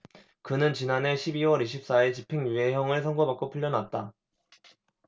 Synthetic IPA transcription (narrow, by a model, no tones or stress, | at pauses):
kɯnɯnt͡ɕinane̞ɕʰibiwʌɾiɕ̬ʰip̚s͈aet͡ɕipʰe̞ŋjue̞ɦjʌŋɯɭsʰʌŋɡobak͈opʰuʎːʌnat̚t͈a